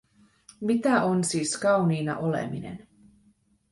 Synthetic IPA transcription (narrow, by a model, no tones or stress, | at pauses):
mit̪æʔonsiːskɑwniːnɑ̰ʔolḛmine̞̰n